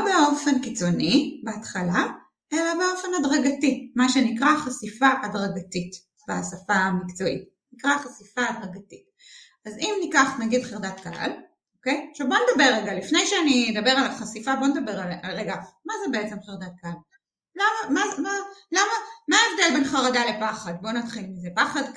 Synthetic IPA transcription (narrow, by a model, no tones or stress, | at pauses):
obeo̞fe̞nkit͡so̞nibeat̪χala | ʔe̞labeo̞fe̞nadʁaɡatimaʃenikʁaχasifaʔadʁaɡatit | b̥easafamikt͡so̞it̚ | nikʁaχasifaːdʁaɡatit̚ | azimnikaχnaɡidχeʁd̪atkaha̰l | okejʃavbo̞ned̪abeʁːeɡalifnejʃeanid̪ɐbeʁalaχasifabo̞ned̪abe̞ʁalalʁeɡamazebeet͡se̞mχeʁd̪at̪̚kaal | lamamamalamamaːevd̪elbenχaʁadalepaχad̚bo̞nat̪χilmizepaχad